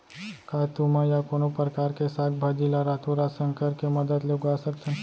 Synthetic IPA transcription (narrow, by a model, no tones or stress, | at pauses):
kaːt̪umãjakoːnopɾəkaːɾkesaːt̪̚ʰbʱad͡ʒilaɾaːt̪ʰuɾaːsənkəɾkemɐd̪əd̪leʊɡaːsəkt̪ʰɛn